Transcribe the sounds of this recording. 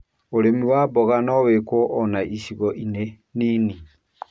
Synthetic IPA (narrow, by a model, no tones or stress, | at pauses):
oɾemiwaːβɔɣanɔwekwɔʔːnaʔisiɣɔʔine | nini